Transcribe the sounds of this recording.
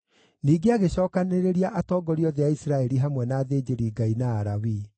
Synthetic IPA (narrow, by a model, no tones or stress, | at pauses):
niːɡeaɣeɕɔːkaneɾeɾiaʔatɔːɡɔɾiɔðeaisɾaɛɾiɦamwɛnaːðeːd͡ʑeɾiːɡainaːɾawi